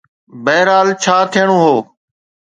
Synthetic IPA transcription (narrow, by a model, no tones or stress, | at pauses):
bɛːɾaːlt͡ʃʰaːt̪ʰɪjəɳ̃oːɦoː